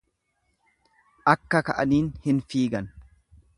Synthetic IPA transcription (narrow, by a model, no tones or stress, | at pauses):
ʔɐkːɐkɐʔɐniːnhɪnfiːɡɐn